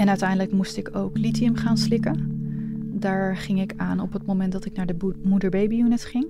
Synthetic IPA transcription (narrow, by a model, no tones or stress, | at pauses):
ɛnœɥtɛjndələkmustɪkowklitiəmχaːnslɪkən | daːɹχɪŋɪkaːnɔpətmowmɛntdɑtɪknaːɹdəmudəɹbejbiunɛtχɪŋ